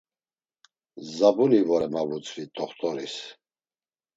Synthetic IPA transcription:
zabunivɔɾɛmavut͡sʰʼvit̪ʼɔχt̪ʰʼɔɾis

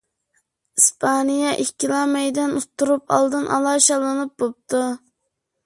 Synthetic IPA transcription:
ispʰɑnijɑʔikʲːilˠɑmɛjd̪ɛnot̪ʰːuɾupɑ̰lˠd̪ɨnʔɑ̰lˠɑʃɑlˠɨnɨp̚bop̚t̪ʰu

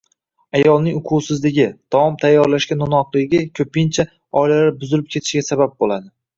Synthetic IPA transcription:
ajɒlˠnɪŋʊqʰʊwsɪzlɪɡʲɪd̪̥ɒɒmt̪ʰajːɒɾlaʃkʲanːʊnɒqlˠɪɡʲɪkʲʰɵpɪnt͡ʃʰa | ɒjlalaɾbʊzɪlɪp̚kʲʰe̞t̪ʰɪ̥ʃɡʲasabap̚bolad̪ɪ

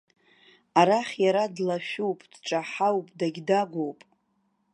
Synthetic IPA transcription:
aɾaχʲjaɾadlaʃᶣuwpʼd̥ʈ͡ʂʼaħawpʼdaɡʲdaɡʷowpʼ

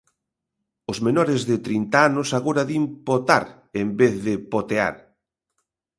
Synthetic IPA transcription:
ozmenɔɾɪzðɪt̪ɾint̪aanʊsaɣoɾaðimpot̪aɾ | embeθðɪpot̪ea̰ɾ

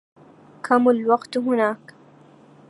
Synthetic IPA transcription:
kʰamalwɑqt̪ɦʊnaːk

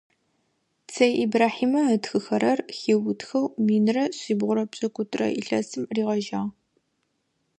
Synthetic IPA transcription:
t͡sʰɐjʔibraːħiːmɐɐtxɨxɐɾɐrxiːwʊtxɐwmiːnɨrɐɕiːbʁʷʊɾɐpʼɕʼɐkʷʼʊtʼrɐ̰ʔḭɬɐ̰sɨmriːʁɐʒaːʁ

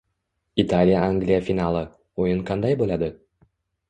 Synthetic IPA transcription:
it̪alʲɪjaaŋɡlʲijafʲinalˠɤ | ojɤɴqɑnd̪ɑjbolˠɑd̪ɤ

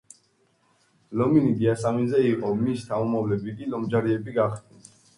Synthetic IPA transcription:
lɔminid̪iasaminzɛiqʼɔmist̪ʰaumavlɛbiɡilɔmd͡ʒaɾiɛbiɡaχd̪ni

